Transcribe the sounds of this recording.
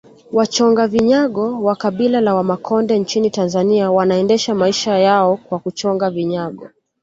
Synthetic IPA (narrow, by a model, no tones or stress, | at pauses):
wat͡ʃɔŋɡaviɲaɠɔwakaɓilalawamakʰɔndɛnt͡ʃinitanzaniawanaɛndɛʃamaiʃajaɔkwakut͡ʃɔŋɡaviɲaɠɔ